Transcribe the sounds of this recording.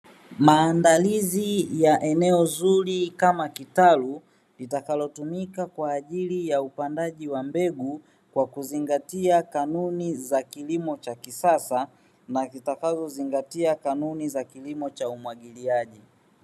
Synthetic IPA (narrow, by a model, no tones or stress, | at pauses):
maːndalizijaʔɛnɛɔzuɾikamakitalu | litakalɔtumikakwaːʄilijaupandaʄiwambɛɡu | kwakuziŋɡatiakanunizakilimɔt͡ʃakisasa | nazitakazɔziŋɡatiakanunizakilimɔt͡ʃaumwaɠiliaʄi